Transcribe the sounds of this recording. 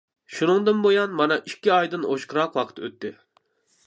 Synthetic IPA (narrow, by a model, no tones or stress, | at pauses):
ʃunɨŋd̪ɨnbojɑnmɑnɑʔikʲːiɑjd̪ɨnʔo̰ʃqɨɾɑqwɑqʰə̥t̪ʰø̰t̪ːɪ